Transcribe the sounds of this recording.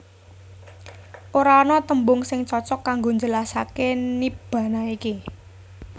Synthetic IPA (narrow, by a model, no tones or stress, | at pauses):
ʔoɾanɔt̪əmbʊŋsɪŋt͡ʃɔt͡ʃɔkːaŋɡoɲd͡ʒəlasakenib̥ä̤naiki